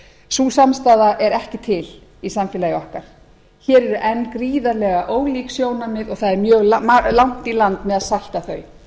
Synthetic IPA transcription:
suːsamst̪aːðaʔɛɾɛhcɪt̪ʰɪl | isamfɪlajɪɔhkaɾ̥ | çɛːɾɛɾʏʔɛnːkɾiːðaɾlɛɣaʔoːwliːksjoːwnamɪðɔɣθaðɛɾmjœːɣlamalawn̥t̪ilant̪mɛðaðsajl̥t̪aθœːɥ

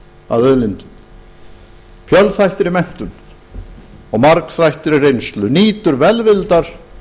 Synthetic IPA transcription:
a̰ðœːðlɪnt̪ʏm | fjœlθajht̪ɪɾɪmɛn̥t̪ʏn | ɔɣmaɾksɾajht̪ɪɾɪrejnst̪lʏniːt̪ʏɾvɛlvɪlt̪aɾ̥

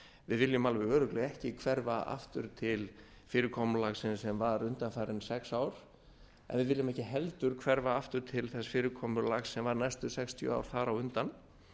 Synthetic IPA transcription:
vɪðvɪljʏmalvɪœːɾʏklɛɣɛhcɪkʰv̥ɛɾvaa̰ft̪ʏɾ̥t̪ʰɪl | fɪːɾɪkʰɔmʏlaɣsɪnsɛmvaɾʏnt̪anfaɾɪnsɛksaːwɾ̥ | ɛ̰nvɪðvɪljɪmɛhcɪɦɛlt̪ʏɾ̥kʰvɛɾvaaft̪ʏɾ̥t̪ʰɪlθɛsfɪːɾɪkʰɔːmʏɾlaɣsːɛmvaɾnajst̪ʏsɛkst̪ʰjʏ̰a̰wɾ̥θaɾawʏnt̪an

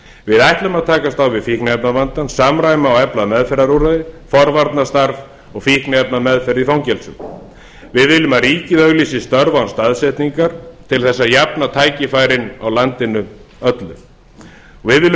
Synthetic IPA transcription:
vɪðajht̪lʏmaðt̪ʰaːkast̪awvɪðfihknɛpnavant̪ansaːmɾaːjmaawɛplaðmɛðfɛɾaɾuɾaðɪfɔɾvaɾt̪nast̪aɾv | ɔɣfihknɛp̚namɛðfɛɾiθawŋcɛlsʏ̰m | vɪðvɪlːʏmaðriːcɪðœɣliːsɪst̪œɾvawnst̪aðsɛht̪niŋkaɾ̥t̪ʰɪlθɛsːajapnat̪ʰaːjcɪfaːjɾɪnawlant̪ɪnʏ | œt̪lʏ̰m | ɔɣvɪðvɪːlː

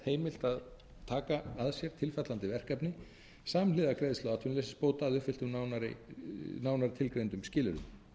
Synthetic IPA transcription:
heːjmɪl̥t̪að | t̪ʰaːkaaðsjɛɾ̥t̪ʰɪlfat̪lant̪ɪvɛr̥kapnɪ | saːmlɪːðakɾejðstlawat̪hʏnleːsɪ̥spoːwt̪aːðʏhfɪl̥t̪ʏmnaːwnaɾɪ̰naːwnaɾɪt̪ʰɪlkɾejnt̪ʏmscɪːlʏɾʏ̰m

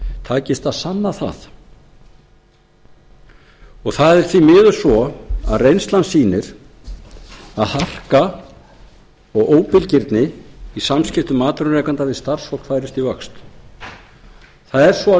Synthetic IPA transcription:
t̪ʰaːcɪst̪aðsanːaθa̰θ | ɔɣθaðɛɾ̥θvimɪːðʏ̥svɔa̰ðrejnst̪lansiːnɪɾ̥ | aðhar̥ka | ɔɣʔoːwpɪlcɪɾt̪nɪisamscɪft̪ʏmaːt̪ɾʏnɾɛːkant̪avɪst̪ar̥shɔk̪faːjɾɪst̪ivœkst̪ | θaðɛɾ̥svɔ

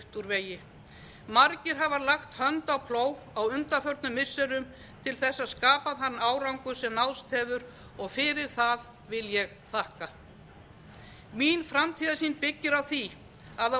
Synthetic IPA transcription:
ht̪uɾveːjɪ | maɾcɪɾɦavalaxt̪hœnt̪awpʰloːwɣawʏnt̪afœɾt̪nʏmːɪsːɛɾʏm | t̪ʰɪlθɛsːaðskaːpaðhanːaːwɾawŋkʏsɛmnawst̪hɛːvʏɾ | ɔɣfɪɾɪɾ̥θað | vɪljɛɣ | θahka | minfɾamt̪ʰiːðasiːnpɪcːɪɾawθi | aða

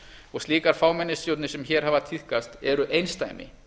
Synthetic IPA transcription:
ɔɣst̪liːkaɾ̥faːwmɛnːɪsjowt̪nɪsɛmçɛːɾ̥ɦaːvat̪ʰihkast̪ɛɾʏʔejnst̪a̰jmɪ̰

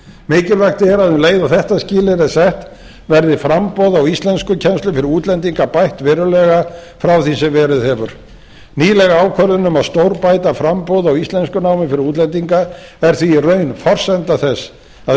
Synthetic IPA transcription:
mɪːcɪlvɛkt̪ɪɛɾaðʏmleːjðawθɛht̪ascɪːlɪɾɛsɛht̪ | vɛɾðɪfɾampowðawist̪lɛnskʏcʰɛnst̪lʏfɪɾɪɾuːt̪lɛnt̪iŋkapajht̪vɛːɾʏlɛɣafɾawθisɛmvɛːɾɪðhɛvʏɾ̥ | niːlɛɣaaːwkʰœɾðʏnʏmaðst̪owɾpaːjt̪afɾampowðawist̪lɛnskʏnaːwmɪfɪɾɪɾuːt̪lɛnt̪̬iŋkaɛɾ̥θvirœɥnfɔr̥sɛnt̪aθɛsː | a

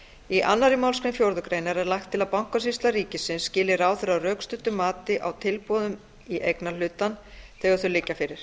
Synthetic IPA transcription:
iʔanːaɾɪmawlskɾɪnfjowɾðʏkɾeːjnaɾɛɾlaxt̪ʰːɪlaðpawŋ̥kas̬ist̪laɾiːcɪsɪnsːcɪːlɪɾaːwθɛɾawrœːkst̪ʏt̪ʏmːaːt̪ɪʔawt̪ʰɪlpɔːðʏm | iʔejknal̥ʏːt̪anθɛːɣaɾθʏlɪcːafɪɾɪɾ̥

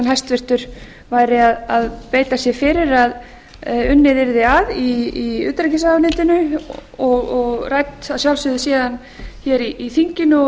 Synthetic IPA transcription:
nhajst̪vɪr̥t̪ʏɾ̥ | vaːjɾɪaðaðpeːjt̪asjɛfɪɾɪɾað | ʏnːɪðɪɾðɪaðiːʏ̰ːt̪ɾɛcɪsaanɪt̪ɪnʏɔɣɔɣrajt̪asjawlsʏðʏsiːðan | çɛɾiʔːθiɲcɪnʏ

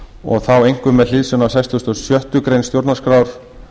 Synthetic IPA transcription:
ɔ̰ɣθawejŋ̥kʏmːɛðlɪðsʏnawsajst̪ɔst̪ɔsjœht̪ʏkɾejnst̪jowɾt̪naskɾawɾ̥

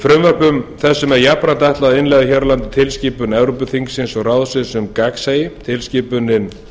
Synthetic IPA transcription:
fɾʏmvœr̥pʏmθɛsːʏmɛðjapɾant̪aɛht̪laðɪnlɛɣðɪçɛɾlant̪ɪ̥t̪ʰɪlsciːpʏnɛvɾopʏθiŋksɪnsɔɣraːwðsɪðsʏmkaksejɪt̪ʰɪlscɪːpʏnɪn

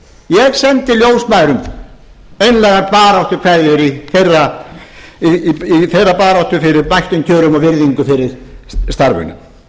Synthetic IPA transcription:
jɛɣsɛnt̪ɪljoːwsmaːjɾʏm | ejnlɛːɣaɾpaːɾawht̪ʏ̥kʰvajðʏɾiθejrːa | iiθejrapaːɾawht̪ʏfɪɾɪɾpajht̪ʏncʰœːɾʏmɔvɪɾðiŋkʏfɪɾɪɾ̥st̪aɾvʏ̰nʏ̰m

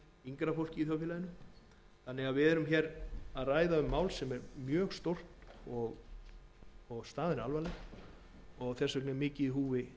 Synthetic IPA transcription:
iŋkɾafowl̥cɪiθjawfɪlajɪnʏm | θanːɪɣaðvɪðɛɾʏmçɛɾaðraːjðaʏmːaːwlsɛmɛɾmjœːɣst̪owr̥t̪ɔɣ | ɔɣst̪aːðɪnalvalɛx | ɔɣθɛrsœknɛmɪːcɪiɦuːvɪ

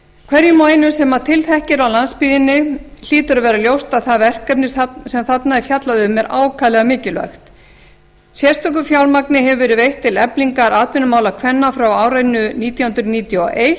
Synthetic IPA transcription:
kʰvɛɾjʏmajnʏsɛmat̪ʰɪlθɛhcɪɾawlanspiːðɪnːɪl̥iːt̪ʏɾavɛːɾaljowst̪aðθavɛr̥kɛpnɪssɛmθat̪naɛfjat̪laðʏmɛɾa̰ːwkʰaːlɛɣamɪːcɪlvœ̰xt̪ | sjɛ̥st̪œk̬ʏfjawlmaknɪɦɛvʏvɛːɾɪvejht̪ʰːɪlɛpliŋkaɾaːt̪vɪnʏmaːwlakʰvɛnːafɾawaːwɾajnːʏniːt̪jawhʏnt̪ɾʏniːt̪jɔ̰ʔej

